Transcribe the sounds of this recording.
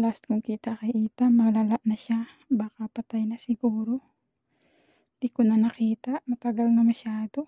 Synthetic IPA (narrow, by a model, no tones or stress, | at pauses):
last̪̚kʊŋkiːt̪ɐkɪʔiːt̪amɐlalaʔnɐʃa | baːkɐpɐt̪ajnɐsɪɡuːɾo | d̪ikʊnɐnɐkiːt̪aʔmɐt̪ɐɡalnɐmɐʃaːd̪o̞